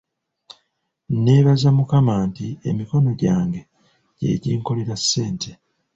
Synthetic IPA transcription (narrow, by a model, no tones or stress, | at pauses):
ne̞ːβazamukamaːntie̞̰miko̞no̞ɟaːŋɡe̞ | ɟe̞̰ːɟiːŋko̞leɾasːe̞ːntʰe̞